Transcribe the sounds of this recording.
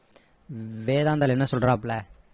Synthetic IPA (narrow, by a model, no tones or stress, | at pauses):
ʋeːðaːnd̪alɛnːɐsɔlɾãːplɛ